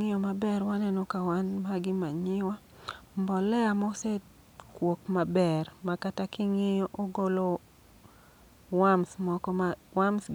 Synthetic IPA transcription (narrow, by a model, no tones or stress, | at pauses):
ŋɪjɔmabɛɾwanɛnokawanmaɡɪmaɲɪwa | mbɔlɛamɔset | kwokmabɛrmakatakɪŋɪjɔʔoɡolo | wamsmɔkɔmawamsɡ